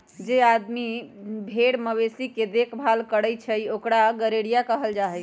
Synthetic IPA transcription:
d͡ʒead̪mibʱeɽməbesiked̪ekʰbʱalkəɽəjt͡ʃʰəjiokɽaɡəɾeɽijakəɦəld͡ʒaɦɛj

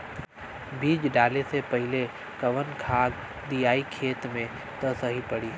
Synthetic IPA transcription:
biːd͡ʒɖaːlesepɐɦɪle | kɐʋənkʰaːɡ | d̪ijaːikʰeːt̪mẽ | t̪ɐsəɦipəɽiː

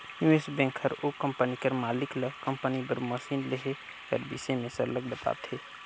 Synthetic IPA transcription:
juesbẽːŋkʰhəɾokə̃mpənikəɾmaːlɪkləkəmpənibəɾməsiːnleɦe | kə̰ɾbḭsemẽsəɾlək̚b̪əp̪a̰ːbt̪ʰeː

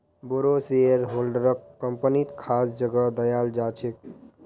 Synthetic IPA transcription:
boɾoseəɾɦolɖəɾəkːəmpənit̪kʰasd͡ʒəɡəd̪əjald͡ʒat͡ʃʰek̚

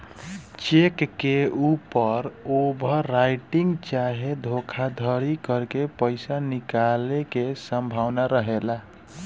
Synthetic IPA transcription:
t͡ʃekːeupəɾobʱəɾajʈiŋɡt͡ʃaɦed̪ʱokʰad̪ʱəɾikəɾkepəɪsanikalekesəmbʱawnaɾəɦela

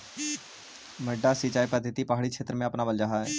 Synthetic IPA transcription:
məɖasit͡ʃaːipəd̪ʱɪt̪ipaɦaɽikʰʃʰeːt̪ɾəmẽɐpnabəld͡ʒaɦaɛː

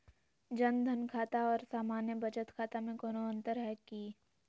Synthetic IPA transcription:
d͡ʒɐnd̪ʱənkʰaːt̪aɔːɾsaːmaːnjəbʱɐd͡ʒət̪kʰaːt̪amẽɡɐnoə̃nt̪əɾɦɛki

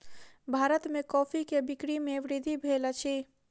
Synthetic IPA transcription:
bʱaɾət̪mekɔːpʰikebikɽimeʋɾid̪ʱibʱelət͡ʃʰi

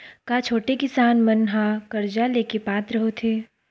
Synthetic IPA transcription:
kaːt͡ʃʰoːʈekɪsaːnmɐnɦãkɐɾd͡ʒaleːkepaːt̪ɾɐɦot̪ʰeː

